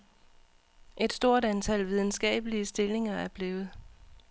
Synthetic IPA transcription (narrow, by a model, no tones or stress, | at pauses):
ʔe̝d̥sd̥o̝ɐ̰dænt͡sʰælʋið̞ˠn̩sɡ̥ɛ̰ːb̥əliəsd̥e̝le̝ŋɐæɐb̥le̝ːʊð̞̩ˠ